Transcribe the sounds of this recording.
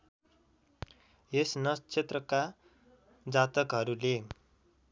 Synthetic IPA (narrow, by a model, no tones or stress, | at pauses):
esnʌt͡sʰet̪rʌka | d͡zat̪ʌkɦʌɾule